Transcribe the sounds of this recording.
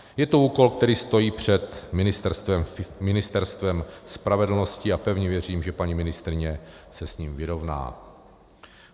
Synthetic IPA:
jɛt̪ouːko̞lkt̪ɛɾiːst̪o̞jiːpr̝̥ɛt̪mɪnɪst̪ɛɾst̪vɛmmɪnɪst̪ɛɾst̪vɛmspɾavɛdl̩no̞scɪapɛvɲɛvjɛr̝iːmʒɛpaɲimɪnɪst̪ɾɪɲɛsɛsɲiːmvɪɾo̞vna̰ː

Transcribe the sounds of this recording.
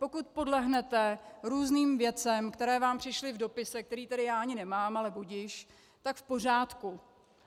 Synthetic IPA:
po̞kut̪̚po̞dlɛɦnɛt̪ɛɾuːzniːmvjɛt͡sɛmkt̪ɛɾɛːvaːmpr̝̥ɪʃlɪvdo̞pɪsɛk̚t̪ɛɾiːt̪ɛdɪjaːaɲɪnɛmaːmalɛbuɟɪʃ | t̪akfpo̞r̝aːt̪ku

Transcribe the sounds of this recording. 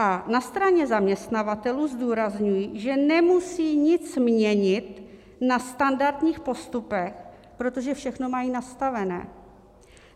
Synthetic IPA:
ʔanast̪ɾaɲɛzamɲɛst̪navat̪ɛluːzduːɾazɲujiʒɛnɛmusiːɲɪt͡smɲɛɲɪt̪ | nast̪andaɾt̪ɲiːxpo̞st̪upɛx | pɾo̞t̪o̞ʒɛfʃɛxno̞majiːnast̪avɛnɛ̰ː

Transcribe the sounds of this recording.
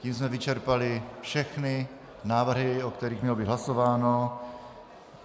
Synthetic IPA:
ciːmsmɛvɪt͡ʃɛɾpalɪfʃɛxnɪ | naːvr̩ɦɪokt̪ɛɾiːxmɲɛlobiːd̪ɦlasovaːno

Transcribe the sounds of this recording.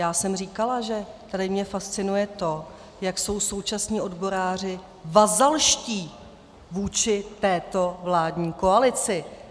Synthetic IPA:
jaːsɛmr̝iːkalaʒɛt̪adɪmɲɛfast͡sɪnujɛt̪o̞ | jakso̞wso̞wt͡ʃasɲiːʔo̞dbo̞ɾaːr̝ɪ | vazalʃciː | vuːt͡ʃɪt̪ɛːt̪o̞vlaːdɲiːko̞alɪt͡sɪ

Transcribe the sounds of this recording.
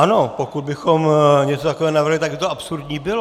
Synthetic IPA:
ano̞pokud̪̚bɪxomɲɛt͡sot̪akovɛːonavr̩ɦlɪt̪aɡ̚bɪt̪oʔapsuɾd̪ɲiːbɪlo

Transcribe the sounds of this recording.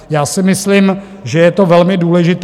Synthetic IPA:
jaːsɪmɪslim | ʒɛjɛt̪o̞vɛlmɪduːlɛʒɪt̪

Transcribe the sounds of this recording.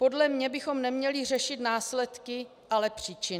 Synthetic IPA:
po̞dlɛmɲɛbɪxo̞mnɛmɲɛlɪr̝ɛʃɪt̪naːslɛt̪kɪ | ʔalɛpr̝̥iːt͡ʃɪn

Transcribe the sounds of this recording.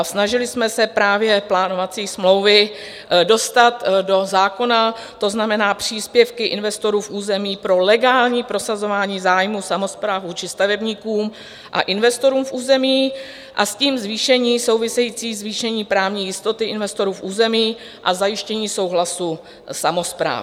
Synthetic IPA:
snaʒɪlɪsmɛsɛpɾaːvjɛplaːno̞vat͡siːsmlo̞wvɪ | do̞st̪at̪do̞zaːko̞na | t̪o̞znamɛnaːpr̝̥iːspjɛfkɪʔɪnvɛst̪o̞ɾuːfʔuːzɛmiːpɾo̞lɛɡaːlɲiːpɾo̞sazo̞vaːɲiːzaːjmusamo̞spɾavvuːt͡ʃɪst̪avɛbɲikuːm | ʔa̰ʔɪnvɛst̪o̞ɾuːmfʔuːzɛmiː | ʔa̰sciːmzviːʃɛɲiːso̞wvɪsɛjiːt͡siːzviːʃɛɲiːpɾaːvɲiːjɪst̪o̞t̪ɪʔɪnvɛst̪o̞ɾuːfʔuːzɛmiː | ʔa̰zajɪʃcɛɲiːso̞wɦlasu | samo̞spɾa̰ː

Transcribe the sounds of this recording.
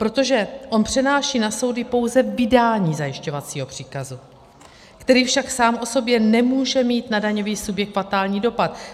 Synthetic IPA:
pɾo̞t̪o̞ʒɛʔo̞npr̝̥ɛnaːʃiːnaso̞wdɪpo̞wzɛvɪdaːɲiːzajɪʃco̞vat͡siːɦo̞pr̝̥iːkazu | kt̪ɛɾiːfʃaksaːmʔo̞so̞bjɛnɛmuːʒɛmiːt̪nadaɲo̞viːsubjɛkfat̪aːlɲiːdo̞pat̪

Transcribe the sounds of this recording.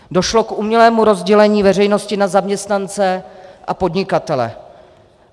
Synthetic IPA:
do̞ʃlo̞kʔumɲɛlɛːmuɾo̞zɟɛlɛɲiːvɛr̝ɛjno̞scɪnazamɲɛst̪nant͡sɛʔapo̞dɲɪkat̪ɛlɛ̰

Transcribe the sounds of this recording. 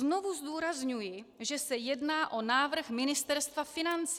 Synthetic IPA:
no̞vuzd̪uːɾazɲujɪʒɛsɛjɛdnaːʔo̞naːvr̩xmɪnɪst̪ɛɾst̪vafɪnant͡s

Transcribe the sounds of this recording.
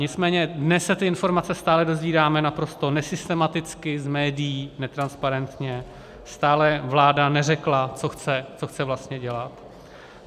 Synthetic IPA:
ɲɪt͡smɛːɲɛdnɛsːɛt̪ɪɪnfo̞ɾmat͡sɛst̪aːlɛdo̞zviːɾaːmɛnapɾo̞st̪o̞nɛsɪst̪ɛmat̪ɪt͡skɪzmɛːdɪjiːnɛt̪ɾanspaɾɛnt̪ɲɛ | st̪aːlɛvlaːdanɛrɛklat͡so̞xt͡sɛt͡so̞xt͡sɛvlast̪ɲɛɟɛlat̪

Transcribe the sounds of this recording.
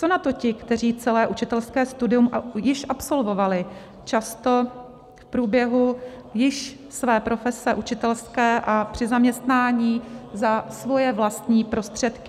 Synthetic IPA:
t͡sonat̪o̞cɪkt̪ɛr̝iːt͡sɛlɛːʔut͡ʃɪt̪ɛlskɛːst̪udɪumjɪʃʔapso̞lvo̞valɪ | t͡ʃast̪o̞ | fpɾuːbjɛɦu | jɪʃ | svɛːpɾo̞fɛsɛʔut͡ʃɪt̪ɛlskɛːʔapr̥ɪzamɲɛst̪naːɲiːzasvo̞jɛvlast̪ɲiːpɾo̞st̪r̝̥ɛt̪kɪ̥

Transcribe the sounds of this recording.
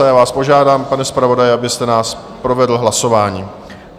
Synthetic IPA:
ajaːvaːspo̞ʒaːdaːmpanɛspɾavo̞dajɛʔabɪst̪ɛnaːs | pɾo̞vɛdl̩ɦlaso̞vaːɲiː

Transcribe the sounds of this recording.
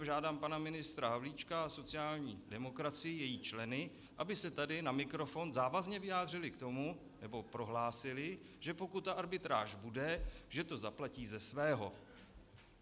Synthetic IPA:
ʒaːdaːmpanamɪnɪst̪ɾaɦavliːt͡ʃkaaso̞t͡sɪjaːlɲiːdɛmo̞kɾat͡sɪjɪjɛjiːt͡ʃlɛnɪ | ʔabɪsɛt̪adɪnamɪkɾo̞fo̞nzaːvazɲɛvɪjaːd̪r̝ɪlɪkt̪o̞mu | nɛbo̞pɾo̞ɦlaːsɪlɪ | ʒ̥ɛpo̞kut̪ːaʔaɾbɪt̪ɾa̰ːʒbudɛʒɛt̪o̞zaplaciːzɛsvɛːɦo̞

